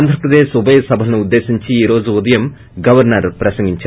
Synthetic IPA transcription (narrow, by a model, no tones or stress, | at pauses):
nd̪ʱɾɐpɾɐd̪eːsubɐjɐsɐbʱɐlnuud̪ːe̞ːsiɲt͡ɕiiːɾo̞ːd͡ʑuud̪ɐjɐm | ɡɐʋɐɾnɐɾpɾɐsɐŋɡiɲt͡ɕːɐ